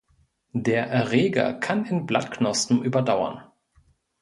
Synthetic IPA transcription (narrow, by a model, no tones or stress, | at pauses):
deːɐʔɛɐʁɛːɡɐ̰kʰanɪnblatknɔstn̩ʔyːbɐdaʊɐ̰n